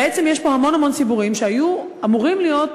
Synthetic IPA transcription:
et͡se̞mje̞ʃpo̞ɦamo̞nhamo̞nsibuʁimʃeaju | amuʁimlijo̞t

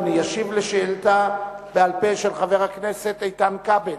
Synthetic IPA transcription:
nijaʃivleʃeelt̪a | bealpeʃelχave̞ʁakne̞se̞t̪ejtamkabel

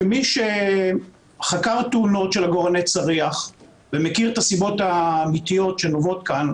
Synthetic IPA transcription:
miʃe | χakaʁt̪uuno̞tʃelaɡo̞ʁanet͡saʁiaχ | vemekiʁt̪asibo̞taːmit̪ijo̞tʃe̞novo̞t̪kan

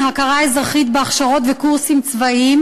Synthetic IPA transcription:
hakaʁaezʁaχit̪beaχʃaʁo̞t̪vekuʁsimt͡svaim

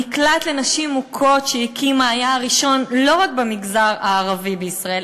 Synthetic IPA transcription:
iklat̪lenaʃimːukʰo̞tʃejikimaːjaʁiʃo̞nlo̞ʁak̚bemiɡzaʁaːʁavibeisʁael

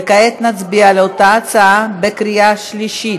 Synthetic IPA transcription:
kaet̪nat͡sbialeotaːt͡saabekɾiaʃliʃi

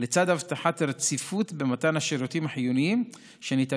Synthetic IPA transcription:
let͡sad̪havt̪aħat̪aɾt͡sifut̪bemat̪anhaʃiɾut̪imaħjuniim | ʃenit̪a

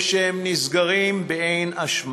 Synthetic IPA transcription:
ʃehemnizɡaʁimbeejnaʃm

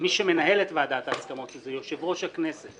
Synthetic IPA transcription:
miʃeme̞naɦe̞let̪vead̪at̪aːt͡skamo̞t̪lezejo̞ʃe̞vʁo̞ʃhakne̞set̪

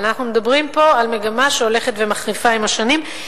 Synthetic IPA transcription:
naχnume̞dabʁimpo̞alme̞ɡamaʃeo̞le̞χet̪ve̞maχʁifaimaʃanim

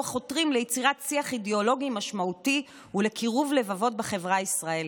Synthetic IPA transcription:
χo̞tʁimlejet͡siʁatsiaχideo̞lo̞ɡimaʃmauti | ule̞kʰiʁuvle̞vavo̞t̚beχe̞vʁaisʁael

